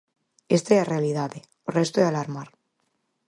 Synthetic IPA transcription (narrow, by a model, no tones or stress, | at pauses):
est̪earealiðaðe | orest̪oalaɾmaɾ